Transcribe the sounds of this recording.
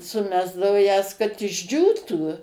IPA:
sʊˈmʲæːzdɐoː jɛs kɐt ɪʒʲˈd͡ʒʲuːtuː

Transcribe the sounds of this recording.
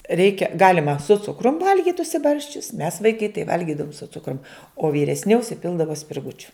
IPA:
ˈrʲɛɪkʲɛ ˈɡɑːlʲɪmɐ sʊ ˈt͡sʊkrʊm ˈʋɐlʲɡʲɪt ʊʃʲsʲɪˈbɐrʲsʲt͡ʃʲʊs mʲɛs ʋɐɪˈkɐɪ tɐɪ ˈʋɐlʲɡʲɪdɐʋoːm sʊ ˈt͡sʊkrʊm oː ʋʲiːrʲɛsʲˈnʲɪ ʊʃʲsʲɪˈpʲɪlˠdɐʋoː sʲpʲɪrˈɡʊt͡ʃʲʊ

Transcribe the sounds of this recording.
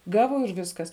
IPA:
ˈɡɑːʋoː ɪr ˈʋʲɪskɐs

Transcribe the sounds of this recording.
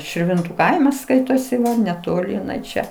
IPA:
ʃʲɪrʲˈʋʲɪntʊ ˈkɐɪmɐs ˈskɐɪtoːsʲɪ nʲɛtoːˈlʲɪ ɪˈnɐɪ ˈt͡ʃʲɛ

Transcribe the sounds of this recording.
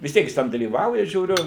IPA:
ʋʲɪs ˈtʲiɛk jɪs ˈtʲɛn dɐlʲiːˈʋɐʊjɛ ʒʲuːˈrʲʊ

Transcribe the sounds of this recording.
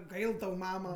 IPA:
ˈɡɐɪlˠ tɐʊ ˈmɑːmɐ

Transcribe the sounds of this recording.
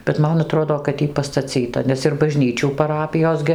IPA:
bʲɛt ˈmɐn ɐˈtroːdoː kɐt ˈjiː pɐstɐˈt͡sʲiːtɐ nʲɛs ɪr bɐˈʒʲnʲiːt͡ʃʲuː pɐˈrɑːpʲɪjoːs ɡʲɪ

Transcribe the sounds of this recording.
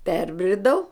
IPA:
ˈpʲɛrʲbʲrʲɪdɐʊ

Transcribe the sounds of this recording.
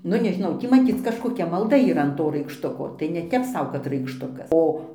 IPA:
ˈnʊ nʲɛʒʲɪˈnɐʊ ˈtʲiː mɐˈt͡sʲiːt͡s kɐʃkoːˈkʲɛ mɐlˠˈdɐ iːˈrɐ ɐn ˈtoː rɐɪkʃˈtʊkoː tɐɪ nʲɛˈtʲɛp ˈsɐʊ kɐt rɐɪkʃˈtʊkɐs ˈoː

